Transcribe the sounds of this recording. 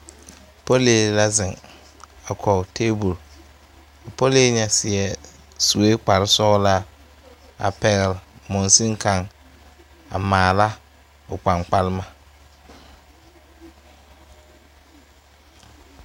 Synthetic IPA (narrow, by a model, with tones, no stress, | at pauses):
po˦leː˨la˦zɪ˨ŋ | a˨kʰɔ˨tʰeː˦bu˨l | po˦le˦ɲɛ˦sɪ˨ɛ˨ | su˨we˦k͡pa˨ɾɪ˦sɔ˦ɣla˦ | a̰˨pɛ˨ɣɛ˨lmʊ˨nsi˦ŋ˦kʰa˦ŋ | a̰˨maː˨la˦ | ʊ˨k͡pa˨ŋ͡mk͡pa˦lma˦